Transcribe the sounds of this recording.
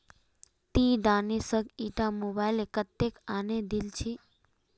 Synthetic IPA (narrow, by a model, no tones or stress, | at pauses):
t̪iɖanisəɡiʈamobajlekət̪ːekaned̪ilt͡ʃʰi